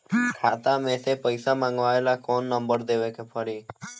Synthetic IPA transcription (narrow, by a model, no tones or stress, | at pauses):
kʰat̪amesepəjsamãŋɡʋaelakɔnːəmbəɾd̪eʋekepʰəɽiː